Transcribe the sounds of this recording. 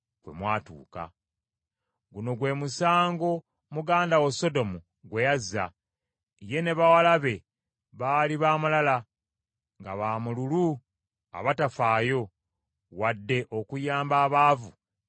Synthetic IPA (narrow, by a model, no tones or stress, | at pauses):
kwe̞̰mwaːtṵːka̰ | ɡuno̞ɡwe̞musaːŋɡo̞ | muɡaːndaweso̞do̞mu | ɡwe̞jazːa̰ | ije̞ne̞βawalaβe̞ | βaːliβaːmulala | ŋɡaβaːmululu | a̰βatafaːjo̞ | wadːe̞ʔo̞kujaːmbaːβaːvu